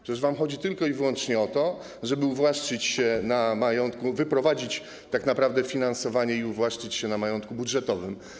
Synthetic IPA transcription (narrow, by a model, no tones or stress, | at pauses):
pʂɛɛʐvamxɔd͡ʑit̪ɘlkɔivwɔnt͡ʂɲɛɔt̪ɔ | ʐɛbɘuvwaʂt͡ʂɘt͡ɕɕɛnamajɔnt̪̚kuvɘpɾɔvad͡ʑit͡ɕ | t̪aknapɾavd̪ɛfʲinansɔvaɲɛiuvwaʂt͡ʂɘt͡ɕɕɛnamajɔnt̪kubudʐɛt̪ɔvɘm